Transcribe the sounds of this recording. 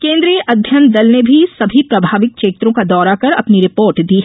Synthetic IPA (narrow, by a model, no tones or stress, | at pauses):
kẽːnd̪ɾijəʔɐd̪ʱjənt̪̚d̪ɐlnebʱisɐbʱipɾɐbʱaːʋɪk̚ʃeːt̪ɾõkad̪ɔːɾakɐɾɐ̰pniɾɪpoːɾʈd̪iːɦɛ